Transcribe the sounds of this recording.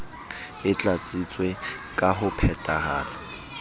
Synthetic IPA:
ɪt͡ɬʼat͡sʼit͡sʼwe | kʼaɦʊpʰɛtʼaɦaːrɪ

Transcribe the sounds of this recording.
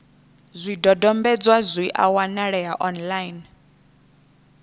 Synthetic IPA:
zʷidɔdɔmbɛd͡zwazʷwiʔa̰wanaɺɛaʔɔnlajn

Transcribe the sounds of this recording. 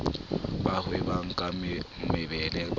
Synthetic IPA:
bahwɪbaŋ̩kʼammɪbɛlɛ

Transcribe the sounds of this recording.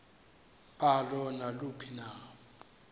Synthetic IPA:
palɔnalupʰina

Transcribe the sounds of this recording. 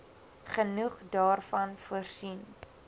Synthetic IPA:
χənuχdɑːrfɐnfuərsin

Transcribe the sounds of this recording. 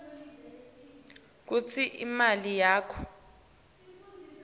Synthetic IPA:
k̬ut͡sʰiʔimalijaːkʰɔ̥

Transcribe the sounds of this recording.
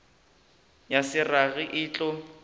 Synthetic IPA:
jasɪraɣɪʔɪːt͡ɬʼɔ

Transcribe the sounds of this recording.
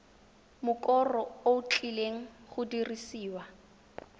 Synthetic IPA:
mʊkʼɔrɔout͡ɬʼileŋ̩χʊdirisiːwa

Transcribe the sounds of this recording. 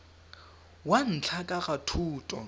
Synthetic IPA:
wan̩t͡ɬʰakʼakatʰuːtʼɔ

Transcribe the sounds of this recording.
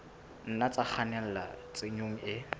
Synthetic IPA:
n̩nat͡sak͡xʰanɛl̩la̰t͡sʼeɲoŋ̩ɪ

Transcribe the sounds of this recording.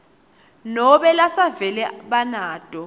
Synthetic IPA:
nɔɓɛlasavɛlɛɓanaːd̥ʱɔ

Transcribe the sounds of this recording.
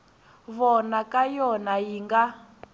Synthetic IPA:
βɔnakajɔnajiŋɡa

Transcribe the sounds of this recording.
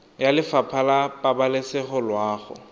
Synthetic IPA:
jalɪfapʰalapʼabalɪsɪχʊlwaːχʊ̰

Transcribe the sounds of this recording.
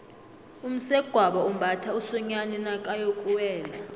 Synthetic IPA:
um̩sɛɡ̥ʱwaɓaum̩bʱatʰausɔɲanɛnakʼajokʼuwɛːla

